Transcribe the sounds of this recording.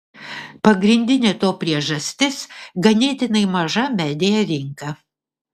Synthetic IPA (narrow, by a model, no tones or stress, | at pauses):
pɐɡɾʲɪnʲd̪ʲɪnʲeːt̪oːpʲɾʲiɛʒɐsʲt̪ʲɪsɡɐnʲeːt̪ʲɪnɐɪmɐʒɐmʲæːd̪ʲejɛɾʲɪŋkɐ